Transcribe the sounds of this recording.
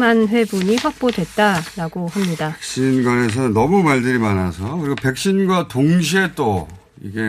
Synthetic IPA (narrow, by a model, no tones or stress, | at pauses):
manɸwe̞buɲiɸak̚p͈odwe̞t̚t͈aɾaɡohamɲidakɕ͈inɡwane̞s̬ʰʌnʌmumaɭdɯɾimana̰sʰʌkɯɾiɡope̞k̚ɕ͈inɡwatoŋɕ̬ʰiet͈o | ḭɡe̞